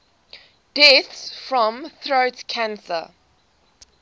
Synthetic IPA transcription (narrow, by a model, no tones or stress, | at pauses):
d̥ɛθsfɹɔ̃mθɹoʊtkʰãnsə̰